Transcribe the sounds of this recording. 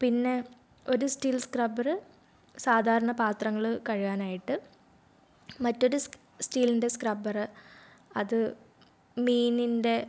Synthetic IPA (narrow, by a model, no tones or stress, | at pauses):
pinːe̞ | o̞ɾusʈiːlskrɐbɐrɨ | saːd̪ʱaːɾɐɳɐpaːt̪rɐŋːɐɭɨkɐɻiɣaːnaːjiʈːɨ | mɐtːo̞ɾu | sʈiːlinde̞skrɐbɐrɨ | ɐðɨ | miːninde̞